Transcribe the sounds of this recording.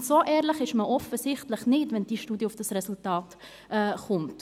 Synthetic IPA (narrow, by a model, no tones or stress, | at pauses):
soːʔɛːɾləχɪʃməʔɔfəsɪχtləχnɪtʋɛnd̥iːʃtuːdijəʊfd̥ɑsrɛsʊltɑːt | ʔɛχʊmt